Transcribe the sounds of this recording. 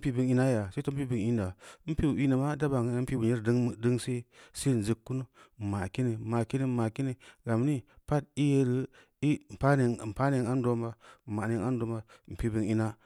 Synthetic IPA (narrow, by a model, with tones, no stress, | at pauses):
m˦pi˦bi˨ŋi˦na˦ja˨sa˦to˦m˦pi˦bi˨ŋi˦n˦da˨˦m̩˦pi˦˨i˦nə˨ma˦da˦ba˨˦m̩˦pi˦bu˨i˦ɾdə˦ŋm˨di˦ŋse˦se˦n˨zi˨kːu˦nu˦˨ma˨ki˦ni˨ma˨ki˦ni˦ma˨ki˦ni˨ɡa˨mni˦pa˦ti˦je˦ɾi˦ | i˦˨pa˦ne˨ŋ˨m̩˨pa˦ne˨ŋa˦n˦do˦mba˦˨ma˨ne˨ŋa˦n˦do˨˦mba˨˦m̩˨pi˦bi˨ŋi˦na˦